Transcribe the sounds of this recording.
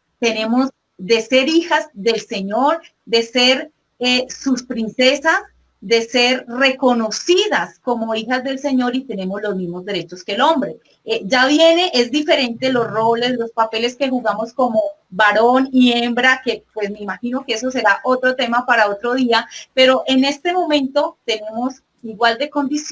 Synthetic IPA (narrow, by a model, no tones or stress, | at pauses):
t̪e̞ne̞mo̞z | d̪e̞se̞ɾixazd̪e̞lse̞ɲo̞ɾ | d̪e̞se̞ɾ | esuspɾinse̞sas | d̪e̞se̞ɾre̞ko̞no̞siðasko̞mo̞ixazd̪e̞lse̞ɲo̞ɾit̪e̞ne̞mo̞zlo̞zmizmo̞zd̪e̞ɾe̞t͡ʃo̞ske̞lo̞mbɾe̞ | ed͡ʒaβje̞ne̞ʔezd̪ife̞ɾe̞nt̪elo̞sro̞le̞slospape̞le̞ske̞xuɣamo̞sko̞mo̞baɾoniembɾake̞pwe̞smeimaxino̞kees̬o̞s̬e̞ɾaʔo̞t̪ɾo̞t̪e̞mapaɾao̞t̪ɾo̞ð̞iape̞ɾo̞ʔe̞ne̞st̪e̞mo̞mẽ̞nt̪o̞t̪e̞ne̞mo̞s | iɣwald̪e̞ko̞nd̪is